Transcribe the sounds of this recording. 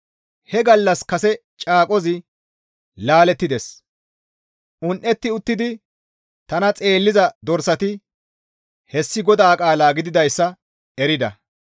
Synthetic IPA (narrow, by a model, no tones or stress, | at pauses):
hɛɡɐlːɐskɐsɛ | t͡ʃʼaːkʼɔzɪ | laːlɛt̪ːɪd̪es | ʔʊnʔɛt̪ːɪʊt̪ːɪd̪ɪ | t̪ɐnɐt͡sʼe̞ːlːɪzɐd̪ɔɾsɐt̪ɪ | hɛsːɪɡɔd̪aːkʼaːlaːɡɪd̪ɪd̪ɐjsːɐ | ɛɾɪd̪ɐ̰